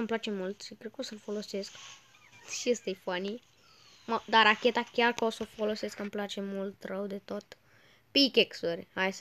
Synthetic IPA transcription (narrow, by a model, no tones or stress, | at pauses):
amplat͡ʃe̞mult̪ʃipɾekusəlfolosesk | ʃiest̪ejfani | mad̪aɾakʲet̪akʲarkəosofoloseskamplat͡ʃe̞mult̪rəwd̪et̪ot̪ | pikʲeksurʲhajs